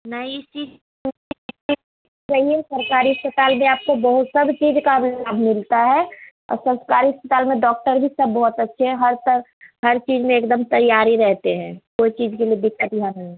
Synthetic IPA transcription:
nəit͡ʃiːd͡ʒ | n | ɾəɦiɛsəɾkaːɾiəspət̪aːlmẽaːp̚kobəɦʊt̪sɐbt͡ʃiːd͡ʒkalaːbʱmɪlt̪aɦɛ | ɔ̰ːɾsə̃nskaːɾiəspət̪aːlmẽɖɔːk̚ʈəɾbʱisɐbːɔːt̪ətːʃʰeɦɛɦəɾt̪əɾ | ɦəɾt͡ʃiːd͡ʒmẽeːkd̪əmt̪ɐjaːɾiɾɛɦt̪eɦɛ̃ːkoːit͡ʃiːd͡ʒkeliebɪkːət̪iɦanɐɦĩ

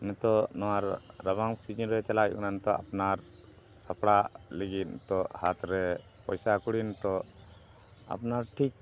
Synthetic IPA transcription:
mɛt̪ɔnɔwaɾːaβaŋsid͡ʒiɾɛt͡ʃalaʔṵnant̪ɔa̰pnaɾ | sapɽaleɡit̪̚nt̪ɔhat̪ɾɛ | pɔjsakuɽint̪ɔ | a̰pnaɾʈʰik̚

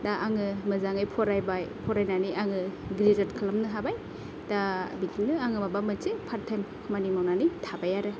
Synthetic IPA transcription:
daʔaŋɯmɯzaŋajpʰɔɾajbajpʰɔɾajnaniʔaŋɯɡɾizatkʰlamnɯɦabaj | dabikinɯaŋɯmabamɯt͡ʃepʰaɾtʰem | manimawnanijtʰabajaɾɯ

